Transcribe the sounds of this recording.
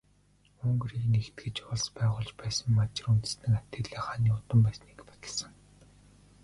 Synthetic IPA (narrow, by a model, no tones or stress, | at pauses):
ɵŋɡ̆riːknext̪ɡɘ̆t͡ɕpʊɮspæːʁʊːɮt͡ɕpæːsə̆ŋmat͡ɕɪ̆runt̪ɘ̆snɘ̆ŋat̪ɘ̆ɮeːχaniːʊt̪ə̆mpæːsniːkpḁt̪ə̆ɮsə̆ŋ